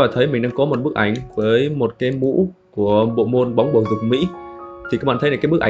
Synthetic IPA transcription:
aː˨˩t̪ʰə˨˦jmï˨˩ŋ̟ɗa̰˧ŋkɔ˨˦mo˨˩t̚ɓɨ˦˥ək̚ʔa˧˩jŋ̟vəː˨˦jmo˨˩t̚kaː˨˦jmṵ˧˥ku˧˩əɓo̰˧˨mo˧nɓa˨˦wŋ͡mɓo˧˩zɨ˨˩k̚mḭ˧˥t̪ʰi˨kaː˨˧˥ŋ͡mɓa̰ː˧˨t̪ʰə˦laː˨˩kːjɓək̚ʔ

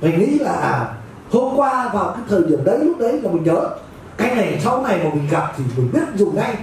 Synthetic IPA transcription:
mä̟˨˩ŋḭ˧˥laː˨˩ | ho˧mkwaː˧vaː˨˩wkaː˨˦jt̪ʰəː˨˩jɗḭ˧˩əmɗə˨˦jlʊ˦˥k͡p̚ɗə˨˦jmaː˨˩mï˨˩ŋ̟ɲəː˨˦ | kaː˧jna˨˩˨sa˧wna˨˩jmaː˨˩mï˨˩ŋ̟ɣa˨˩p̚t̪ʰi˨˩mi˨˩ɓi˦˥ət̚zu˨˩ŋa˧j

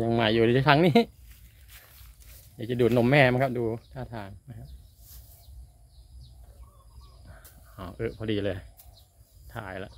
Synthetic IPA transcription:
ja˧ŋma˨˩jːuː˨˩˧t̪ʰiː˦˥tʰa˧˥ŋniː˦˥ | daː˧˩t͡ɕa˨˩duː˨˩t̪̚no˨˧˦mɛː˥˩m˧˥ŋkʰa˦˥p̚duː˧t̪ʰaː˥˩t̪ʰaː˧ŋma˦˥jkʰa˦˥p̚ | ɔː˧˩ʔɤː˧˩pʰɔː˧diː˧lɤː˧j | t̪ʰa̰ː˨˦jla̰˧˦ʔ

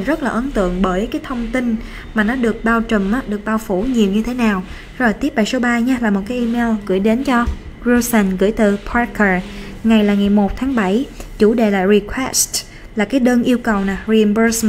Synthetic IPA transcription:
zə˦˥t̚laː˨˩ʔə˨˦nt̪ɨ̰˧˨əŋɓəː˧˩jkaː˨˦jt̪ʰə˧wŋ͡mt̪i˧n | maː˨˩nɔ˨˦ɗɨ˨˩ək̚ɓaː˧wt͡ɕə˨˩mʔaː˨˦ɗɨ˨˩ək̚ɓaː˧wfu˧˩˦ɲi˨˩əwɲɨ˧t̪ʰe˨˦naː˨˩w | zo˨˩jt̪i˦˥əp̚ɓaː˧˩jso˨˦ɓaː˧ɲaː˧laː˨˩mo˨˩t̚kaː˨˦jʔi˧me˧lɣɨ̰˧˩əjɗe˨˦nt͡ɕɔ˧ | zu˧sɛ˧˩nɣɨ̰˧˩əjt̪ɨ˨˩pʰaː˧kə˨˩ | ŋa˨˩jlaː˨˩ŋa˨˩jmo˨˩t̚t̪ʰaː˨˦ŋɓa˧˩jt͡ɕu˧˩ɗḛ˧˨laː˨˩ɹi˧kʰwɛ˦˥st | laː˨˩kaː˨˦jɗəː˧nʔi˧əwkə˨˩wnaː˨˩ɹi˧nbəː˧s

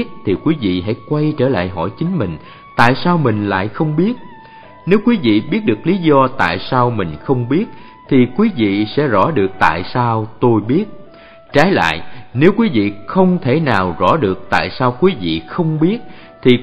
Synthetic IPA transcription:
t̚t̪ʰi˨˩kwi˨˦vḭ˧˨ɦa̰˧˥jkwa˧jt͡ɕəː˧˩la̰ː˧˨jɦɔ̰˧˩jt͡ɕï˨˦ŋ̟mï˨˩ŋ̟ | t̪a̰ː˧˨jsaː˧wmï˨˩ŋ̟la̰ː˧˨jxə˧wŋ͡mɓi˦˥ət̚ | ne˨˦wkwi˨˦vḭ˧˨ɓi˦˥ət̚ɗɨ˨˩ək̚li˨˦zɔ˧t̪a̰ː˧˨jsaː˧wmï˨˩ŋ̟xə˧wŋ͡mɓi˦˥ət̚ | t̪ʰi˨˩kwi˨˦vḭ˧˨sɛ̰˧˥zɔ̰˧˥ɗɨ˨˩ək̚t̪a̰ː˧˨jsaː˧wt̪o˧jɓi˦˥ət̚ | t͡ɕaː˨˦jla̰ː˧˨jne˨˦wkwi˨˦vḭ˧˨xə˧wŋ͡mt̪ʰe˧˩naː˨˩wzɔ̰˧˥ɗɨ˨˩ək̚t̪a̰ː˧˨jsaː˧wkwi˨˦vḭ˧˨xə˧wŋ͡mɓi˦˥ət̚ | t̪ʰi˨˩

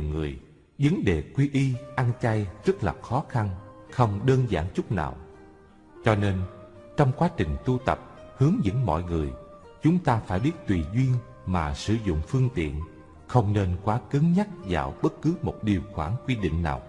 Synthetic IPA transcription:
ŋɨ˨˩əj | zə˨˦ŋɗe˨˩kwi˧ʔi˧ʔa˧nt͡ɕa˧jzə˦˥t̚laː˨˩xɔ˨˦xa˧nxə˧wŋ͡mɗəː˧nzaː˧˩nt͡ɕʊ˦˥k͡p̚na̰ː˨˩w | t͡ɕɔ˧ne˧n | t͡ɕɔ˧wŋ͡mkwaː˨˦t͡ɕï˨˩ŋ̟t̪u˧t̪ə˨˩p̚hɨ˨˦əŋzɨ̰˧˥ŋmɔ̰˧˨jŋɨ˨˩əj | t͡ɕʊ˨˦ŋ͡mt̪aː˧faː˧˩jɓi˦˥ət̚t̪wi˨˩zwi˧ən | maː˨˩sɨ˧˩zʊ̰˧˨ŋ͡mfɨ˧əŋt̪ḭ˧˨ən | xə˧wŋ͡mne˧nkwaː˨˦kɨ˨˦ŋɲa˦˥t̚za̰ː˨˩wɓə˦˥t̚kɨ˨˦mo˨˩t̚ɗi˨˩əwxwaː˧˩ŋkwi˧ɗḭ̈˧˨ŋ̟na̰ː˨˩w

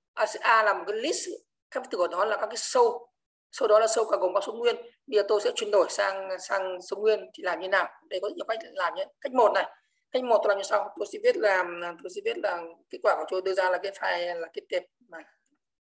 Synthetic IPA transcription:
ʔaː˧sɨ̰˧˨ʔaː˧laː˨˩mo˨˩t̚kaː˨˦jli˦˥s | ka˦˥k̚t̪ɨ˨˩ʔəː˧˩ɗɔ˨˦laː˨˩ka˦˥kːaː˨˦jsə˧w | sə˧wɗɔ˨˦laː˨˩sə˧wkaː˧˩ɣo˨˩ŋ͡mkaː˦˥kso˨˦ŋwi˧ənvə˧zəː˨˩t̪o˧jsɛ̰˧˥t͡ɕwi˧ənɗo˧˩jsaː˧ŋsaː˧ŋsə˨˧wŋ͡mŋwi˧ənt̪ʰi˨˩laː˨˩mɲɨ˧naː˨˩wɗə˧jkɔ˨˦˧ka˦˥k̟̚laː˨˩mɲɨ˧ka˦˥jk̟̚mo˨˩t̚na˨˩j | ka˦˥k̚mo˨˩t̚ːo˧laː˨˩ɲ˧sa˧wt̪o˧jsɛ̰˧˥vi˦˥ət̚laː˨˩˨t̪o˧jsɛ̰˧˥vi˦˥ət̚laː˨˩ke˦˥t̚kwaː˧˩kt̪o˧jɗɨ˧əzaː˧laː˨˩ke˨˦˥t̚faː˧˩jlaː˨˩kt̚t̪i˨˩əp̚maː˨˩

